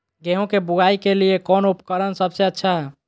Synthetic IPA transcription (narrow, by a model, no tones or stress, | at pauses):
ɡeɦõkebuɡaikeliekɔnupkəɾənsəbseətːʃʰaɦɛ